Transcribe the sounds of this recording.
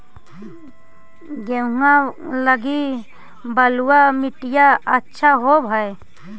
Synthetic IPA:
ɡeŋaləɡi | bəluamɪʈijaətːʃʰaɦobʱəe

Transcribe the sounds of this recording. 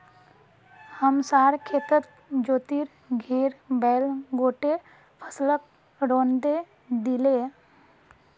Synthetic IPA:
həmsaːɾkʰeːt̪ət̪̚ | d͡ʒoːt̪iɾ | ɡʱeːɾbɛːlɡoːʈe | pʰəslək | ɾõːnd̪e | d̪ɪle

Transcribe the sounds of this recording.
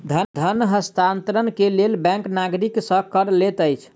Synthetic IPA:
d̪ʱəd̪ʱənɦəst̪ʰant̪ɾənkelelbɛ̃ŋknaɡɾiksə̃kəɾlet̪əjt͡ʃʰ

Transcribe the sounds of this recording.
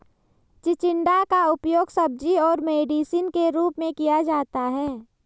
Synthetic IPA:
t͡ʃɪt͡ʃɪ̃ɳɖakaʊpjoːɡsɐb̚d͡ʒiɔːɾmeːɖiːsiːnkeɾuːpmẽkijad͡ʒaːt̪aɦɛː

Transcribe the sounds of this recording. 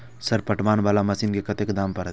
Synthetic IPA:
sɐɾpɐʈʋaːnʋaːlamɐsiːnkekɐt̪ekd̪aːmpɐɾ

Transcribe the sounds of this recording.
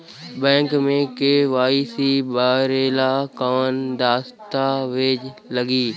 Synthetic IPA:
bɛ̃ːŋkmẽkeːʋaːisibaːɾeːlakaːənd̪aːst̪aʋed͡ʒ | ləɡiː

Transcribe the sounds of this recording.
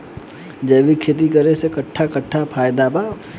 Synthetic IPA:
d͡ʒɐːʋikʰeːt̪̬ikɐɾesekɐʈʰːakɐʈʰːapʰaːjd̪abaː

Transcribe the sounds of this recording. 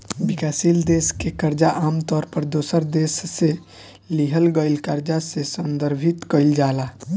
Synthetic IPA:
bikasild̪eskekəɾd͡ʒaʔamt̪ɔɾpəɾd̪osəɾd̪esːe | liɦəlɡəɪlkəɾd͡ʒasesənd̪əɾbʱit̪kəɪld͡ʒala

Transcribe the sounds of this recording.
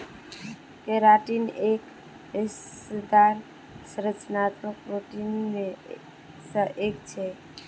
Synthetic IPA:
keɾaʈinek | esd̪aɾ | səɾət͡ʃnat̪mək̚pɾoʈinmẽ | səʔekt͡ʃʰe

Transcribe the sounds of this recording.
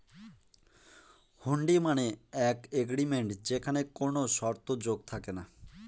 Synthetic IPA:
huɳɖimaneɛkeɡɾimeɳʈd͡ʑekʰanekonoʃɔɾt̪od͡ʑoɡ̚t̪ʰakena

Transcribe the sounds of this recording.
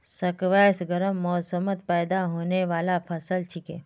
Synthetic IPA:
sɐkʋɛːsɡəɾəmːɔːsəmət̪pɛːd̪aɦoːneʋaːlapʰɐsəlt͡ʃʰikeː

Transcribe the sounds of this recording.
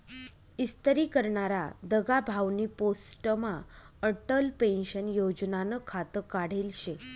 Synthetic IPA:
ist̪ɾiːkəɾɳaɾad̪əɡabʱaʋniposʈəma | əʈəlpẽnɕənjod͡ʑnanəkʰat̪əkaɽ̤elɕe

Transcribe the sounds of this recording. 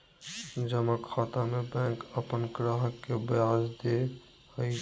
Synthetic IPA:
d͡ʒəməkʰaːt̪amebɛ̃ːŋkəpənɡɾaɦəkːebəjaːd͡ʒd̪e | həi

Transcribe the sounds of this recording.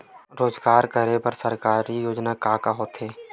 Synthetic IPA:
ɾoːzɡaːɾkəɾepɐɾsəɾkaːɾijoːd͡ʒnakaːkaɦoːt̪ɦeː

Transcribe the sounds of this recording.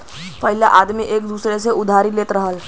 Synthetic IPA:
pəɦɪlaʔaːd̪miʔeːk̚d̪uːsɾeseʔʊd̪ʱaːɾileːt̪ɾəɦəl

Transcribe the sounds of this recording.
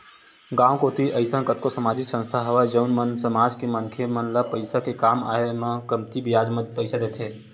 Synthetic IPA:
ɡãːwkoːt̪iʔəɪsãkət̪kosəmaːd͡ʒɪksə̃nst̪ʰaɦəʋad͡ʒəʊnmənsəmaːd͡ʒkemənkʰemənlapəɪsakekaːma̰ːemãkəmt̪ibɪjaːd͡ʒməd̪pəɪsad̪eːt̪ʰeː

